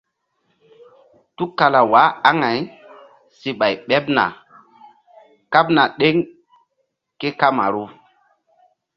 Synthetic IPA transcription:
tu˦ka˨la˨wa˨˦a˦ŋa˨j | si˨ɓa˨jɓɛ˦pna̰˨ | ka˦bna˨ɗe˦ŋ | ke˦ka˦ma̰˨ɾu˦

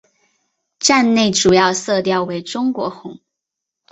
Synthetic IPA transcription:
ʈ͡ʂa˥˧nne˥˩ɪʈ͡ʂu˨˩jɑ˥˧ʊsɤ˥˧t̪jɑ˥˩ʊwe˧˥ɪʈ͡ʂʊ˥ŋkwɔ˧˥xʊ˧˥˦ŋ

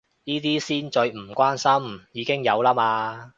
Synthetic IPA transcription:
jiː˥t̪̬iː˥siː˥nt͡ʃɵ˧ɥm̩˨˩kʷaː˥nsɐ˥mjiː˨˧kɪ˥ŋjɐ˨˧wlaː˥maː˧

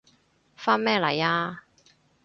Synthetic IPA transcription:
faː˥nmɛː˥lɐ˨˩jaː˧

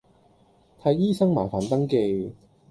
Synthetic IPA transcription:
t̪ʰɐ˨˧˥jːiː˥sɐ˥ŋma̰ː˨˩faː˨˩nt̪ɐ˥ŋke˧j

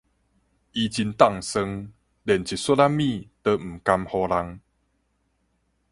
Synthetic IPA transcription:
i˧t͡ɕi˧nt̪a˥˨ŋsə˧ŋ | lɛ˨nt͡ɕi˨swə˦la˦mĩ˥˧t̪ə˧m̩˨˩ka˧mhɔ˧la˧ŋ

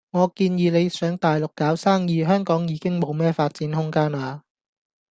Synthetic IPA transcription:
ŋɔː˨˧kiː˧njiː˨˧le˨˧jsœː˨˥ŋt̪aː˨jlʊ˨kːaː˨˥wsaː˥ŋjiː˨˧ɦœː˥ŋkɔː˨˥ŋjiː˨˧˥kɪ˥ŋmo˨˧wmɛː˥faː˧t̚t͡siː˨˥nhʊ˥ŋkaː˥naː˨˧

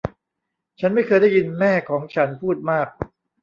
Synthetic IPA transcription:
t͡ɕʰa˦˥nma˥˩jkʰɤː˧jda˥˩ji˧nmɛː˥˩kʰɔː˩˦ŋt͡ɕʰa˦˥npʰuː˥˩t̪̚maː˥˩k̚

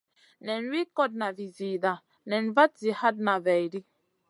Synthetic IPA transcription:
nɛ˨nwi˦kɔ˦d̚na˨vi˨ziː˨da˨ | nɛ˨nva˦tzi˨ha˦d̚na˨vɛ˨jɾi˦

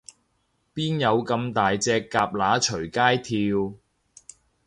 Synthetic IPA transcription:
piː˥njɐ˨˧wkɐ˧mt̪aː˨jt͡sɛː˧kːaː˧p̚laː˨˥t͡ʃʰɵ˨˩ɥkaː˥jt̪ʰiː˧w

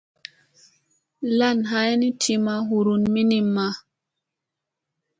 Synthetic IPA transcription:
la˦˨nɦa˦jni˦tʰi˨ma˦ɦu˨ɾu˨nmi˦ni˨mːa˨

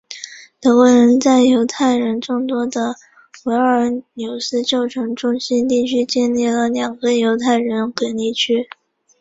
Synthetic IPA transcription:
t̪ɤ˧˥kwɔ˧˥ɻə˧˥nt͡sa˥˩ɪjo˧˥ʊt̪ʰa˥˩ɪɻə˧˥nʈ͡ʂʊ˥˧ŋt̪wɔ˥d̪ə˨ | we˞˧˥ə˧˥njo˨˩ʊsɹ̩˥t͡ɕjo˥˩ʊʈ͡ʂʰɤ˧˥ŋʈ͡ʂʊ˥ŋɕi˥nt̪i˥˩t͡ɕʰy˥t͡ɕɛ˥˧nli˥˩lə˩ljɑ˨˩ŋɡə˧˦jo˧˥ʊt̪ʰa˥˩ɪɻə˧˥nke˧˥ni˥˩t͡ɕʰy˥

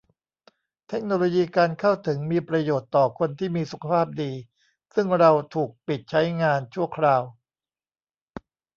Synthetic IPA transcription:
t̪ʰe˦˥k̚noː˧loː˧jiː˧kaː˧nkʰa˥˩wt̪ʰɯ˩˦ŋmiː˧pɾa˧joː˨˩t̪ːɔː˨˩kʰo˧nt̪ʰiː˥˩miː˧su˨˩kʰa˧pʰaː˥˩p̚diː˧ | sɯ˥˩ŋɾa˧wt̪ʰuː˨˩k̚pi˨˩t̪̚t͡ɕʰa˦˥jŋaː˧nt͡ɕʰu˥˩ɐəkʰɾaː˧w

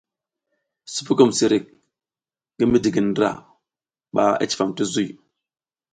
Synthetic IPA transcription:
su̥˦pu˦ku˦˨msi˨ɾi˨k̚ | ɡə˦mi˦di˨ɡə˨n˦dɾa̰˨ | ɓa˦a̰˦t͡ʃi̥˨fa˨mti˦zu˦j

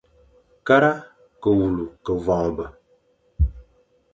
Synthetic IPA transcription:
ka˦ɾa˦ | kə˨wu˨lu˨kə˨vɔ˨ŋ˨bə˨

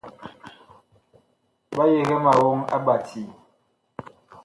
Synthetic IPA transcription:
ba˦je˨ɣɛ˦ma˨wo˦ŋa̰˦ba˨tʰi˨

